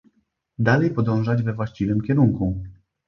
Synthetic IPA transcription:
d̪alɛjpɔd̪ɔ̃w̃ʐad͡ʑvɛvwaɕt͡ɕivɘmkʲɛɾuŋku

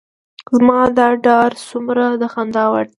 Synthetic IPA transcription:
zmɑd̪ɑɖɑɾsumɾad̪əxand̪ɑwaɾ

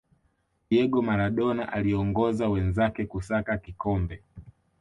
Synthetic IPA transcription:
jɛɡɔmaɾaɗɔna̰ʔaliɔŋɡɔzawɛnzakɛkusakakikɔmbɛ

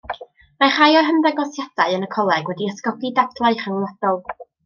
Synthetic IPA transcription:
maχajɔrɦəmdaɡɔsjad̥aɨənəkʰɔlˠɛɡwɛdiəskɔɡidatʰlˠaɨχəŋlˠɔd̥ɔlˠ

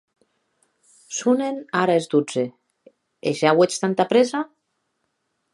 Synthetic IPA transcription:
sunenaɾaezd̪ud͡ze | ḛʒawet͡ʃt̪ant̪apɾeza

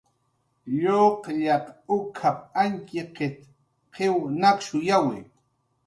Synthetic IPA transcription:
ʎoqʎaqʊkʰap̚aŋkɪqɪt̪ | qewnakʃʊjawɪ̰

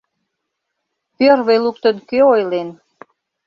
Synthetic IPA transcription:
pøɾβəjluk̚t̪ə̆nkøojlen

